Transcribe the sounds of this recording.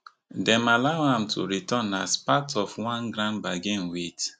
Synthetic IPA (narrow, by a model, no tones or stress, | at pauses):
dɛ̃malaʊãmtʰṵɹitɔ̃naspatʰɔfwãnɡɾãnbaɡẽnwet